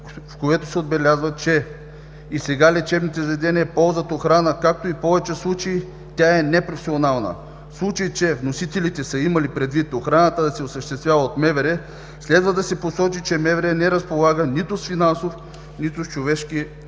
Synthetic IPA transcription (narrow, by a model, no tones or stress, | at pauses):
fkoɛt̪osɛod̪bɛlʲazvət͡ʃɛ | isɛɡalʲɛt͡ʃɛbnit̪ɛzvɛd̪ɛniɛpɔlˠzət̪oxɾanəkak̚t̪oipɔvɛt͡ʃɛslˠut͡ʃəi | t̪ʲaɛnɛpɾofsʲionalˠnə̰ | fslˠut͡ʃəit͡ʃɛvnosit̪ɛlit̪ɛsəimɐlipɾɛd̪vit̪oxɾanət̪əd̪ɐsɛosəʃt̪ɛst̪vʲjavəot̪mɛvɛɾɛ | slɛd̪vəd̪ɐsɛposɔt͡ʃit͡ʃɛmɛvɛɾɛnɛɾɐspolˠaɡənit̪ʊsfinansof | nit̪ʊst͡ʃovɛʃki